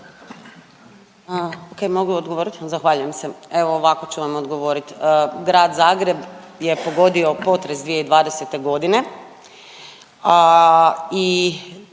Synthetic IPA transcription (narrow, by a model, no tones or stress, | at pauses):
oke̞jmo̞ɡuod̪ɡoʋoɾit̪zaxʋaːʎujemse̞e̞ʋoːʋakot͡ɕuʋamod̪ɡo̞ʋo̞ɾit̪ɡɾaːd̪zaːɡɾe̞b | je̞po̞ɡo̞d̪io̞po̞t̪ɾe̞sd̪ʋije̞id̪ʋaːd̪eset̪e̞ɡo̞d̪ine̞ | i